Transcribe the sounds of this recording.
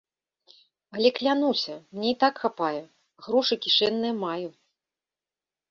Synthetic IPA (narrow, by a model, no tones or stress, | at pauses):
ɐlʲɛklʲanusʲɐmnʲeit̪akxapajɛ | ɣɾɔʂɨkʲiʂɛnːɨjɐmaju